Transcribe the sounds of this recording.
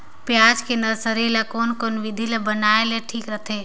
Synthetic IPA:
pjaːd͡ʒkenəsəɾelakoːnkonʋɪd̪ʱilebənaːeleʈʰiːkɾət̪ʰeː

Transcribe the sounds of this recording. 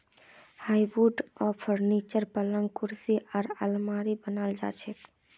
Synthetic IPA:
hajbuɖɔpʰɔɾnit͡ʃəɾpələŋɡkuɾsiaɾəlmaɾibənald͡ʒa̰t͡ʃʰɛt̪

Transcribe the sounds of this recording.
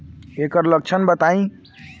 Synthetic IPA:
ekəɾlək̚t͡ʃʰənbət̪aĩ

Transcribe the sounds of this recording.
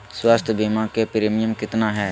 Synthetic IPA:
swaːst̪ʰbiːmãkepɪɾeːmɪjəmkɪt̪naːɦɛː

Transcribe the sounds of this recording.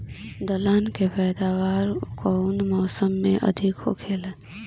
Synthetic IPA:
d̪əlankepɛːd̪awaɾkɔʊnmɔːsəmːeʔə̰d̪ʱikɦo̰kʰel

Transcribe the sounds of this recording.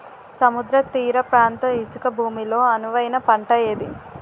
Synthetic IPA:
sɐmud̪ɾɐt̪iːɾɐpɾaːnt̪ɐisukɐbʱuːmilo̞ːɐnuʋɐjnɐpɐɳʈɐjeːd̪i

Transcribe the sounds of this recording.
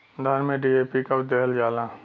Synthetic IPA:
d̪ʱaɾmẽɖieːpikaʊd̪əɦəld͡ʒaːlaː

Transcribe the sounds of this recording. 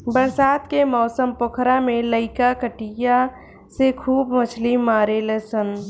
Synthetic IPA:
bəɾsaːt̪kemɔːsəmpokʰɾamẽləɪkakəʈija | sekʰuːbmət͡ʃʰlimːaːɾeleːsən

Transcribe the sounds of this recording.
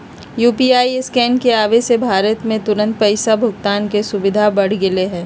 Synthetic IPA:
juːpiaːiskɛːnkeaːʋesebʱaːɾət̪mẽt̪ʊɾə̃nt̪̚pɐɪsabʱʊɡt̪aːnkesʊbɪd̪ʱabɐɽ̤ɡɪleɦɛ̃ː

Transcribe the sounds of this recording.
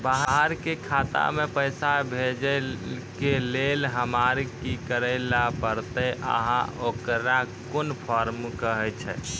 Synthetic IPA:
baɦəɦəɾkekʰat̪a̰mepəjsabʱed͡ʒəkelelɦəmaɾkikəɾəɪlapəɾt̪ɛʔə̰ɦã̰ʔokɾakonpʰɔɾmkəɦɛt͡ʃʰɛ̰

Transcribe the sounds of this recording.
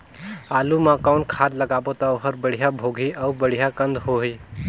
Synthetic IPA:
aːlumãkaʊnkʰaːd̪lɐɡaːbot̪aoɦəɾbəɽ̤ijabʱoːɡʱiʔawbəɽ̤ijakə̃nd̪ɦoɦi

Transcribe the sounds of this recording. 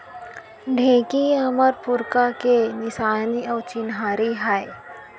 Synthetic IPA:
ɖʱẽːkiɐməɾpʊɾkakenɪsaːniɔːt͡ʃɪnɦaːɾiɦaːe

